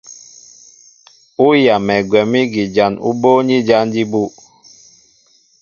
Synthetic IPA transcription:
u˦ja˨mɛ˨ɡwɛ˨mi˦ɡi˨d͡ʒa˨nṵ˦bo˦ɲi˦d͡ʒa˦ndi˦bu˦

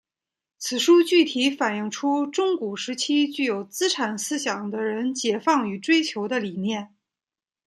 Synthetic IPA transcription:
t͡sʰɹ̩˨˩ʂu˥t͡ɕy˥˩t̪ʰi˧˥fa˨˩ni˥˩ŋʈ͡ʂʰu˥ʈ͡ʂʊ˥ŋku˨˩ʂɻ̩˧˥t͡ɕʰi˥t͡ɕy˥˩jo˨˩ʊt͡sɹ̩˥ʈ͡ʂʰa˨˩nsɹ̩˥ɕjɑ˨˩ŋd̪ə˦ɻə˧˥nt͡ɕjɛ˨˩fɑ˥˩ŋy˨˩ʈ͡ʂwe˥ɪt͡ɕʰjo˧˥ʊd̪ə˧li˨˩njɛ˥˩n

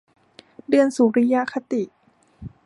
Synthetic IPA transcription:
dɯ˧ənsuː˨˩˦ɾa˦˥ja˦˥kʰa˧t̪i˨˩ʔ

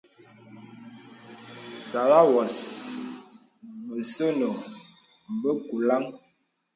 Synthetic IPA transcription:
sa˨la˦wɔ˨s | mə˨sə˦no˨ | m˨bə˦ku˨la˦ŋ

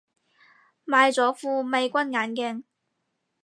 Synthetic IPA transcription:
maː˨˧jt͡sɔː˨˥fuː˧me˨˧jkʷɐ˥nŋaː˨˥nkɛː˧ŋ

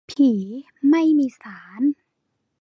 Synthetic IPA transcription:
pʰiː˩˦ | ma˥˩jmiː˧saː˩˦n

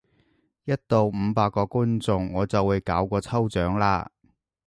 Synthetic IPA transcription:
jɐ˥t̚t̪o˨˧wm̩˨˧paː˧kːɔː˧ku˥nt͡sʊ˧ŋːɔː˨˧t͡sɐ˨wːuː˨˧jkaː˨˥wkʷɔː˧t͡sʰɐ˥wt͡ʃœː˨˥ŋlaː˧

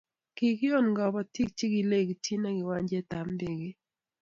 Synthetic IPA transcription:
ki˨kɪ˦ɔ˦˨nŋɡɔ˨bɔ˦ti˦k̚t͡ʃi˦ɡɪ˨le˦˨ɡtʰi˦na˦ɡɪ˨wa˦ɲd͡ʒɛ˦t̪a˨mdɪ˨ɡɪ˦

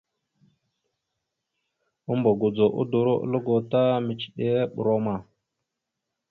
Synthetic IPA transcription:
u˦mbo˨ɡu˨d͡zo˨ʔṵ˦du˨ɾo˦ʔlo˦ɡo˨ta˦mi˨t͡ʃi˨ɗe˦ɓṵ˨ɾo˦ma˨

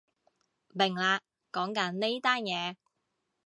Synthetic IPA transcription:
mɪ˨˩ŋlaː˧ | kɔː˨˥ŋkɐ˨˥nne˥jt̪aː˥njɛː˨˧

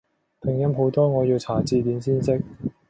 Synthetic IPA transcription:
t̪ʰɪ˨ŋjɐ˥mɦo˨˥wt̪ɔː˥ŋɔː˨˧jiː˧wt͡sʰaː˨˥t͡siː˧t̪iː˨˥nsiː˥nsɪ˥k̚

